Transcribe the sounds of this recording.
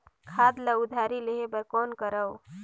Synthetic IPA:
kʰad̪ləud̪ʱaɾileɦebəɾkonkəɾəw

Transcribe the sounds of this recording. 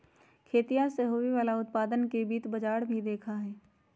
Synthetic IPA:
kʰeːt̪ijaseɦoːiʋaːlaʊt̪̚paːd̪ənkebiːt̪bɐd͡ʒaːɽbʱid̪eːkʰaɦɛː

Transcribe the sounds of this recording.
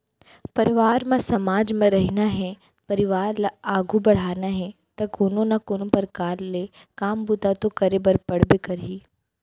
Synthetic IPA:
pɐɾɪʋaːɾmẽsɐmaːd͡ʒmẽɾɐɦɪnaɦɛ | pɐɾɪʋaːɾlaaːɡʱubɐɽ̤aːnaɦɛ | t̪ɐkʊnõnɐkonõpɐɾkaːɾle | kaːmbut̪at̪okɐɾebɐɾpɐɽ̤bɪkɐɾiː

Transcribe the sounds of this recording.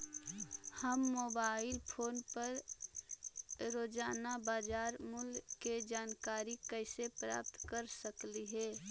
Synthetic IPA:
həmːoːbaːɪlpʰoːnpəɾ | ɾoːd͡ʒaːnabaːd͡ʒaːɾmʊlked͡ʒaːnkaːɾikəɪsepɾa̰ːp̚t̪kəɾsəkliɦɛː

